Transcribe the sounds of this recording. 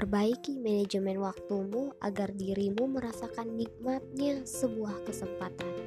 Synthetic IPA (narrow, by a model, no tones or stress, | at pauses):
t̪ərbaikimɛned͡ʒəmɛnwak̚t̪umuʔa̰ɡardiɾimuməɾasakanːik̚mat̪̚ɲasəbuahkəsəmpat̪an